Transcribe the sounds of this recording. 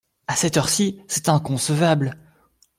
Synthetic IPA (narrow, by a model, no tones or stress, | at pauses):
asɛt̪œʁsisɛt̪ɛ̃kɔ̃səvabl